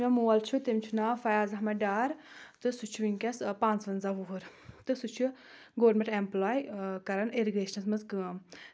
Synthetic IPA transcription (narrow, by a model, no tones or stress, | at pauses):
amuːɐlt͡ʃʰut̪imt͡ʃʰunaːfɐjaːzɐɦmɐɖaːɾ | t̪ɨsut͡ʃʰuʋiŋʲkʲɐspãːnt͡sʋɐnzaːʋuɦuɾ | t̪ɨsut͡ʃʰu | ɡoːɾmẽɳʈemplaːjkɐɾɐneɾiɡɾeːʃnɐsmɐzɡɨːm